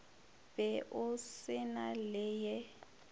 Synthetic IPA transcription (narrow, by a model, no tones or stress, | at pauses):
bɛʔʊsɪnalɛjɛ